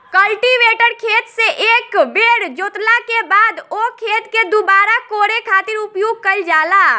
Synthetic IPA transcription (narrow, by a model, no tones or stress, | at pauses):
kəlʈiʋeːʈəɾkʰeːt̪seʔeːkbeːɽd͡ʒoːt̪lakebaːd̪oːkʰeːt̪ked̪obaːɾakoːɾekʰaːt̪ɪɾʊpjoːɡ̚kəld͡ʒaːlaː